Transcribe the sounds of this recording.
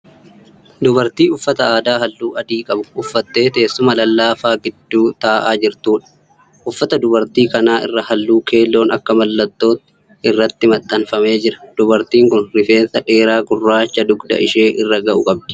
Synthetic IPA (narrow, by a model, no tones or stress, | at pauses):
d̪ʊbɐɾt̪iːʊfːɐt̪ɐaːd̪aːɦɐlːuːɐd̪iːkʼɐbʊʊfːɐt̪ːe̞ːt̪e̞ːsːʊmɐlɐlːaːfaːɡɪd̪ːuːt̪aːʔaːd͡ʒɪɾt̪uːᶑɐ̥ | ʔʊfːɐt̪ɐd̪ʊbɐɾt̪iːkɐnaːʔɪ̰rːɐhɐlːuːkʰe̞ːlːo̞ːnɐkːɐmɐlːɐt̪ːo̞ːt̪ɪ | ɪrːɐt̪ːɪmɐt̪ʼːɐnfɐme̞ːd͡ʒɪɾɐ̥d̪̥ʊbɐɾt̪iːŋkʊnɾɪfe̞ːnsɐᶑe̞ːɾaːɡʊrːaːt͡ʃːɐd̪ʊɡd̪ɐ̰ʔɪʃe̞ːʔɪrːɐɡɐʔʊkʼɐb̚d̪̥ɪ̥